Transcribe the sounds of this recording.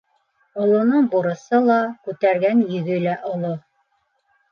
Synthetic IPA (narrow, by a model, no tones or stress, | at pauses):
ŏlˠŏnɤɴbuɾɤ̆sɤlˠɑkʉt̪æɾɡænjɵ̆ɡɵlæʔŏlˠo